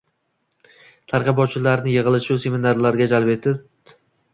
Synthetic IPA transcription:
t̪ʰaɾqɑbɒt͡ʃʰɪlaɾnɪjɨʁɨlˠɪʃɪʊse̞mɪnaɾlaɾɡʲad͡ʒalpe̞t̪ʰɪp̚

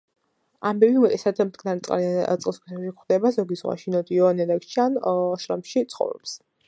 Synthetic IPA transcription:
ambɛbimɔt̪ʼɛsad̪md̪ɡnaɾɛt̪sʼqʼa̰ɾiat̪sʼlˠskʰisɛʃikχwd̪ɛbazɔɡizʁwa̰ʃinɔd̪iɔnɛd̪akt͡ʃʰanʃɾamʃit̪sʰχɔ̰vɾɔ̰ps

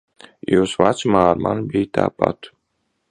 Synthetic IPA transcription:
juːsvat̪smaːɾma̰nbijt̪a̰ːpa̰t̪

